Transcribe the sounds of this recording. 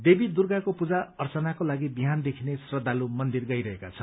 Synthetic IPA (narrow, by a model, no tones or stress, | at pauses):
d̪ebid̪urɡakopud͡zaʌrt͡sʌnakolaɡibiɦand̪ekʰinesrʌd̪ʱːalumʌnd̪irɡʌjɾʌɦeka̰t͡sʰʌ